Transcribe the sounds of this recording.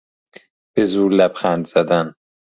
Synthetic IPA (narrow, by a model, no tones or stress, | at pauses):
b̥ezuːlæbxænd̪z̥æd̪æn